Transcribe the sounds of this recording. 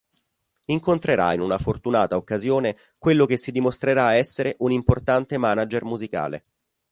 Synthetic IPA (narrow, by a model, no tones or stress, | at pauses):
iŋkont̪ɾeɾa̰inunafort̪unaːt̪aokːazjoːne | kwelːokesːid̪imost̪ɾeɾaɛsːeɾeʔunimport̪ant̪emaːnad͡ʒermuzika̰ːlḛ